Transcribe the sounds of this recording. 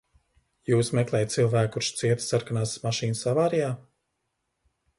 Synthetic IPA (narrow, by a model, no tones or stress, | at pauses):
juːsmɛklˠɛːjt̪silˠvæːkːuɾʃt̪siɛt̪saɾkanaːsmaʃiːnɨsavaːɾijaː